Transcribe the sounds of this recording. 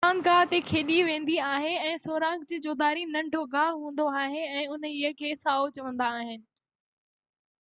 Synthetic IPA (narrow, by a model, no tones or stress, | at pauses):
aːnɡaːɦt̪ekʰeːɗiʋẽːn̆d̪iaːɦɪɛ̃ːsoːɾãːŋkd͡ʑiːd͡ʑoːd̪aːɾinɐ̃ɳɖʱoɡaːɦɦũːn̆d̪oaːɦeɛ̃ːʊnəiəkʰeːsaːot͡ɕɐʋə̃nd̪aːɦɪnɪ̆